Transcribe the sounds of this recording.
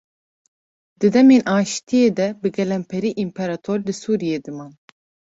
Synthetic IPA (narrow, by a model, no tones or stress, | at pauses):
d̪̥ɨd̪ɛmeːnʔaːʃt̪ʰijeːd̪ɛbɨɡɛlɛmpʰɛɾiːʔimpʰɛɾɑt̪ʰoɾlɨsuːɾijeːd̪ɨmaːn